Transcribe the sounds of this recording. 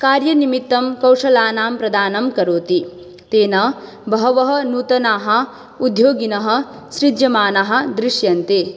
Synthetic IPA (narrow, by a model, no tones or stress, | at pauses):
kaːɾjɐnimit̪ːɐmkɐwʂɐlaːnaːmpɾɐd̪aːnɐmkɐɾoːt̪i | t̪eːnɐ | bʱɐɦɐʋɐɦɐ̆nuːt̪ɐnaːɦɐ̆ | ud̪ʱjoːɡinɐɦɐ̆ | ʃɾid͡ʒjɐmaːnɐɦɐ̆d̪ɾɪʂjɐnt̪eː